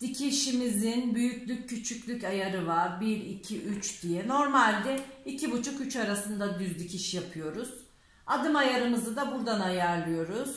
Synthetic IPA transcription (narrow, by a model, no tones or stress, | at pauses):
d̪̥icʰiʃimizinbyjycʲlʲycʰːyt͡ʃʰycʲlʲycajaɾɯvaɾbiɾicʰiʔyt͡ʃd̪̥ijɛno̞ɾmalʲd̪ɛicʰibut͡ʃʰukyt͡ʃaɾasɯnd̪ad̪yzd̪icʰiʃijapʰɯjo̞ɾuz̥ | ad̪ɯmajaɾɯmɯzɯd̪abuɾd̪anajaɾlˠɯjo̞ɾuz̥